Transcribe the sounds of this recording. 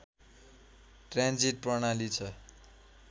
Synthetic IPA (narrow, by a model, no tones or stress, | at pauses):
ʈrãnd͡ziʈ̚prʌnalit͡sʰʌ